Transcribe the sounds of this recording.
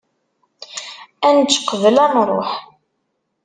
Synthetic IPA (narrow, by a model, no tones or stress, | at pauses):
ænt͡ʃːqːəvəlænɾˤo̰ħ